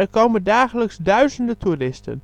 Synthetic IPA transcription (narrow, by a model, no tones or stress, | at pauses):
ərkowməndaːχələksdœɥzəndətʰurɪstə̰n